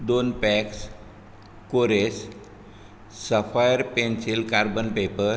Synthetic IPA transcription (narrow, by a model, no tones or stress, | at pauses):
d̪onpɛks | koɾes | səpʰajəɾpẽnsilkaɾbənpepəɾ